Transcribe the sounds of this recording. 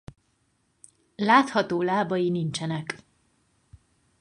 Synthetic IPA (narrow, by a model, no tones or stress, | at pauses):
laːt̪hɒt̪oːlaːbɒjinint͡ʃɛnɛk